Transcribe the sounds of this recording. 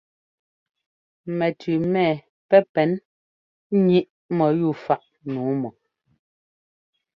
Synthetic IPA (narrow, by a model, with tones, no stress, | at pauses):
mɛ˨tʰʉ˨mɛ˦˨ | pɛ˦pɛ˨˦n˦ | ɲi˦ʔ | mɔ˨ju˦˨fa˨ʔ | nuː˨˦mɔ˨